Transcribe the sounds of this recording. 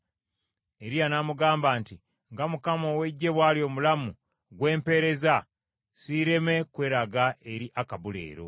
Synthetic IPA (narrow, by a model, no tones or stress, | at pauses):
e̞ɾijanamuɡaːmbaːnti | ŋɡamukamowe̞ɟːe̞βwalio̞ːmulamu | ɡwe̞ːmpe̞ɾe̞za | siɾe̞me̞kwe̞ːɾaɡae̞ɾiʔakaβule̞̰ːɾo̞̰